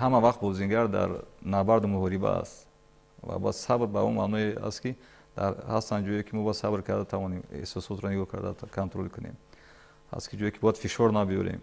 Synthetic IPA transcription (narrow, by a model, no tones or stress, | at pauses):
hamavaχt̪̚bɔziŋɡaɾd̪a̰ɾnabaɾd̪umuhɔɾiba̰a̰st̪ | va̰ba̰d̪sabɾbauma̰nɔea̰st̪ki | d̪̥aɾhast̪and͡ʒɔjikʰimɔbad̪sabɾkʰaɾd̪at̪ʰavɔniḛhsɔsɔt̪ɾɔniɡɔkʰa̰ɾd̪akʰant̪ɾolkʰunḛm | ha̰skʰid͡ʒɔjikʰibɔjad̪fiʃɔɾnabijɔ̰ɾḛm